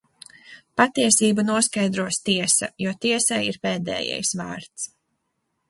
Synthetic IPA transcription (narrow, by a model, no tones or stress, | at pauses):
pat̪iɛsiːbunuɔskajd̪ɾuɔst̪iɛsɐ̰juɔt̪iɛsajiɾpeːd̪ɛ̰ːjɛ̰jsva̰ːɾt̪s